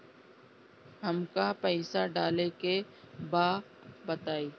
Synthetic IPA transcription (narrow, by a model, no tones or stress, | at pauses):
ɦəmkapɛɪsaɖaːleke | baː | bət̪aːiː